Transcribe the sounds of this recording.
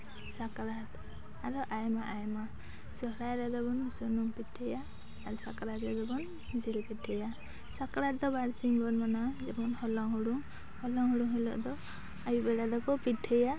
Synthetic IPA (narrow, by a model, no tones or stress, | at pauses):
sakɾat̪ | aɾɔʔajmaʔajma | d͡ʒɔɦɾajɾɛd̪ɔbɔnsɔnumpiʈʰɛjaː | ɾsakɾat̪ɾɛd̪ɔbɔn | d͡ʒɛlpiʈʰɛja | sakɾat̪̚d̪ɔbaɽsiŋɡɔnmanad͡ʒɛbɔnhɔlɔŋɦuɽuŋ | hɔlɔŋɦuɽuŋɦɛlɔ̰ʔd̪ɔ | ajubɛɖad̪ɔkɔpiʈʰɛja